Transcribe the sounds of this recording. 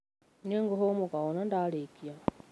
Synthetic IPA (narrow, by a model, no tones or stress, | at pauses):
neŋɡoɦomukaɣonandalekia